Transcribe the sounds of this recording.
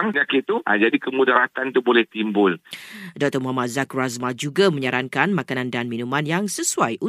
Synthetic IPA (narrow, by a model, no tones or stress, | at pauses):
məɲakɪt̪uʔa̰d͡ʒadikəmudaɾat̪ant̪ubolɛht̪imbʊldɔk̚t̪əmuɦamat̪̚zakuɾazmad͡ʒuɡamə̃ɲaɾaŋkanmakanãndanminũmãnjaŋsəsuajʔu